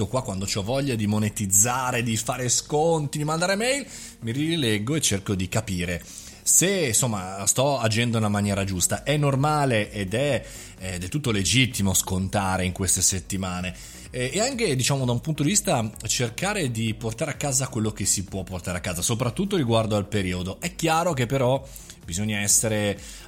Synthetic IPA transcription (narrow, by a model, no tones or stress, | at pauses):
okwakːwand̪ot͡ʃɔvːɔʎːad̪imonet̪id̪zːaːɾed̪ifaːɾeskont̪id̪imand̪aːɾemɛjl | miɾilɛɡːoet͡ʃːerkod̪ikapiːɾe | sensomːast̪ɔad͡ʒɛnd̪ounamanjɛːɾad͡ʒust̪aʔɛnːormaːleʔed̪ɛ | d̪ɛlt̪ːut̪ːoled͡ʒit̪ːimoskont̪aːɾeiŋkwest̪eset̪ːimaːneː | aŋked̪it͡ʃaːmod̪aumpunt̪od̪ivist̪at͡ʃerkaːɾed̪iport̪aːɾeakːaːzakwelːok̟esipwɔpːort̪aːɾeakːaːzasop̬ɾat̪ːut̪ːoɾiɡward̪oalpeɾiːod̪oɛkːjaːɾok̟epːeɾɔ | b̥izoɲːaɛsːeɾe